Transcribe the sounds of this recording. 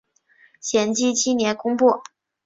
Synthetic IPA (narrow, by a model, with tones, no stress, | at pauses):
ɕjɛ˨˩nt͡ɕi˥t͡ɕʰi˥njɛ˧˥nkʊ˥ŋpu˥˩